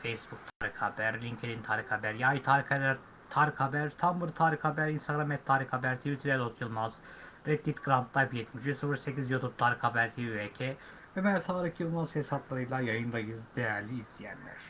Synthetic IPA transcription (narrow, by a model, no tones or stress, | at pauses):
fejsbuk̚t̪ʰaːɾixabæɾlʲiŋcʰed̪int̪ʰaːɾixhabæɾjaːjit̪ʰaːɾixalæɾ | t̪ʰaːɾixhabæɾt̪ʰambɯɾt̪ʰaːɾixhabæɾinst̪ʰaɡɾamɛt̪ʰːaːɾixabæɾt̪ʰivit̪ʰɾɛlot̪ʰjɯlˠmaz̥ | ɾet̪ːipɡɾant̪ʰlˠaɾpjɛt̪miʃisɯfɯɾsecizjot̪up̚t̪ʰaːɾixhabæɾt̪ʰiecʰe | ømælʲt̪ʰaːɾɯxjɯlˠmaz̥hesaplˠaɾɯjlˠajajɯnlˠajɯzd̪ejæɾlʲiːzlijæ̰nlʲæ̰ɾ̥